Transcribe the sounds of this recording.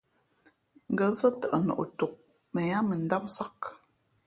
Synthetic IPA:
ŋ̩˨ɡə˨sə˦tə˨ʔə˨nɔ̰˨ʔo̰˨to˨k̚ | mə˨ja˦mə˨n̩˦da˦psa˦k

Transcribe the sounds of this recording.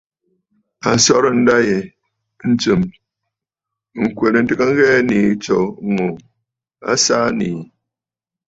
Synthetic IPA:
a˨n˨sɔ˦ɾn̩˦da˦je˨˦ | n̩˦t͡sɨ˨m˨ | ŋ̩˨kwe˨ɾe˨n̩˦tɨ˦ka˦ŋ˦ɣɛː˦ni˨˦t͡ʃɔ˨˦ŋo˨ | a̰˦sa˦ni˨

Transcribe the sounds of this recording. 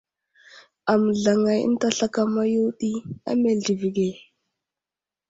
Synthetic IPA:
a˨mə˨ɮa˨ŋa˨jə̰˦n˦ta˦ɬa˦ka˦ma˦ju˦ɗi˦a̰˦me˨ɮi˨vi˨ɡe˨

